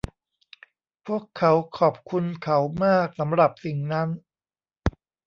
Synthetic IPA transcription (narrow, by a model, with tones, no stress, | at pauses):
pʰu˥˩əkʰːa˦˥wkʰɔː˨˩p̚kʰu˧nkʰa˦˥wmaː˥˩k̚sa˩˦mɾa˨˩p̚si˨˩ŋna˦˥n